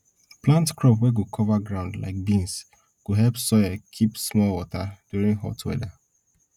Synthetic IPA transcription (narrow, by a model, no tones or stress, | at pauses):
plãntkɹɔpwɛɡokʰɔvaɡɹãʊ̃ndla̰ɪk̚bĩns | ɡ̥oɦɛlpsɔjakʰipsmɔlwɔtad̥juɹĩŋɦɔ̰twɛ̰da